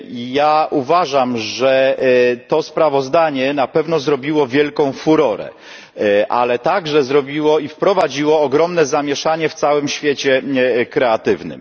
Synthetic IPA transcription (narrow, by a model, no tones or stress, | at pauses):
jaʔuvaʐamʐɛt̪ɔspɾavɔzd̪aɲɛnapɛvn̪ɔzɾɔbʲiwɔvʲjɛlkɔ̃w̃fuɾɔɾɛ̰ | ʔa̰lɛt̪aɡʐɛzɾɔbʲiwɔifpɾɔvad͡ʑiwɔːɡɾɔmnɛzamʲjɛʂaɲɛft̪sawɘmɕfʲjet͡ɕɛkɾɛat̪ɘvnɘ̰m